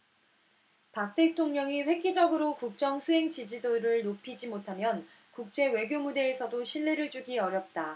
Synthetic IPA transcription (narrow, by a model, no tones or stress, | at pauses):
pak̚t͈ʰe̞tʰoŋɲʌŋiɸwe̞k̚ɡid͡ʑʌɡɯɾokuk̚t͡ɕ͈ʌŋsʰuɦe̞ŋt͡ɕid͡ʑidoɾɯɭnopʰid͡ʑimotʰamjʌn | kuk̚t͡ɕ͈e̞we̞ɡjomude̞ːsʰʌdoɕʰiɭːe̞ɾɯɭd͡ʑuɡiʌɾjʌp̚t͈a